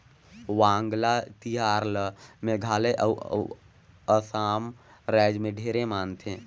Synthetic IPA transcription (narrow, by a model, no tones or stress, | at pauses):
ʋãːŋɡlat̪iɦaːɾləmẽɡʱaːleʔəw | əsaːmɾɛːd͡ʒmẽɖʱeːɾemaːnt̪ʰẽː